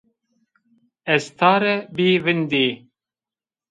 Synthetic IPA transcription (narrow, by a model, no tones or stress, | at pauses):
ɛst̪ʰaːɾɛbiːvɨnd̪iː